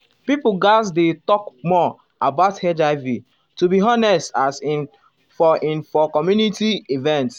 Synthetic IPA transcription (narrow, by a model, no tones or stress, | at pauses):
pipuɡasdetɔkmɔ | abaʊthɛd͡ʒaɪvi | tubiɦɔnɛstasĩn | fɔĩnfɔkɔmjunitiivɛ̃nts